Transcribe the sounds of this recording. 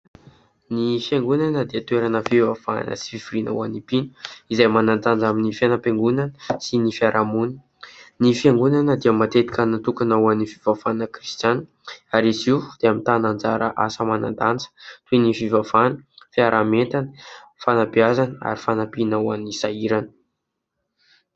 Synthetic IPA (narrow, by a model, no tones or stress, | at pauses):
nifjaŋɡunanəd̪eət̪weɾanəfivafan̰nə̰si̥fifiɾina̰wanipinə̥izajmanand̪and͡zaminifianapeŋɡunanəsinifiaɾʔamun | nifiaŋɡunanəd̪eəmat̪et̪i̥kʲanat̪ukanawanːifivafanəkrist̪jan | aɾisid̪̥eamint̪anand͡zaɾəʔa̰səmana̰nd̪and͡zə̥t̪uenifivafanəfiaɾʔament̪anə̥fanapiazanəa̰ɾifanapinawamnisaiɾanə̥